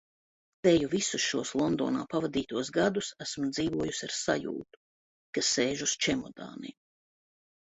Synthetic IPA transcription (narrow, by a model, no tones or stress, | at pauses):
t̪ɛjuvisusʃuɔslˠɔnd̪ɔ̰ːna̰ːpavad̪iːt̪uɔsɡad̪usæsmd̪ziːvuɔjusʲaɾsajṵːt̪u̥ | kasːeːʒust͡ʃɛmɔd̪a̰ːnḭm